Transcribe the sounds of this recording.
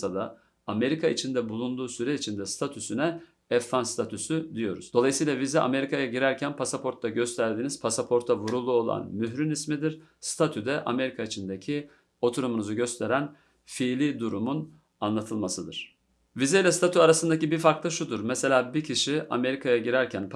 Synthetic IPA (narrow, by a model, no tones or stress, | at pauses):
ad̪aː | me̞ɾikʰait͡ʃʰind̪ɛbulˠund̪uːsyɾɛit͡ʃʰind̪ɛst̪ʰat̪ʰysynɛ | ɛfːanst̪ʰat̪ʰysyd̪ijo̞̰ɾṵz̥d̪o̞lˠajɯsijlˠavizɛʔa̰me̞ɾikʰajaɟiɾæɾcʰænpʰasapʰo̞ɾt̪lːaɟø̞st̪ʰæɾd̪iniz̥pʰasapʰo̞ɾt̪ʰavuɾulˠuo̞lˠa̰nmyɦɾinismid̪iɾ̥ | st̪ʰat̪ʰyd̪ɛʔame̞ɾikʰait͡ʃʰind̪ecʰi | o̞t̪ʰuɾumunuzuɟøst̪ʰe̞ɾæn | fiːlʲid̪uɾumun | anlˠat̪ʰɯlˠmasɯd̪ɯɾ̥ | vizejlʲɛst̪ʰat̪ʰyaɾasɯnd̪acibifaɾklˠaʃud̪uɾmese̞lʲaːbicʰiʃia̰me̞ɾikʰajaɟiɾæɾcʰænp